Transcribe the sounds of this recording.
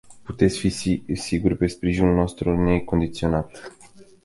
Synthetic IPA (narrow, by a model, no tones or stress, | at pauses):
put̪e̞t̪sʲfisisiɡurpe̞spɾiʒinulno̞st̪ɾune̞ko̞nd̪it̪sio̞nat̪